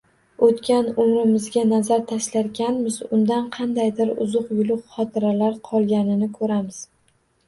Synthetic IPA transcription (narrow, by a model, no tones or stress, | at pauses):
ot̪kʲanʊmɾɪmɪzɡʲanazaɾt̪ʰaʃlaɾɡʲanmɪzʊnd̪anqʰɑnd̪ajd̪ɪɾʊ̰zʊqjʊlˠʊqχɒt̪ʰɪɾalaɾqʰɒlˠɡʲanɪnɪkʰɵɾamɪz̥